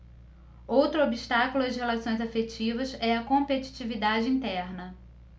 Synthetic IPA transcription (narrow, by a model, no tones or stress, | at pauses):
owt̪ɾʊobiʃt̪akulʊɐzhelasõj̃zafet͡ʃivɐzɛɐkõmpet͡ʃi̥t͡ʃivid̪ad͡ʒɪĩnt̪ɛɾnɐ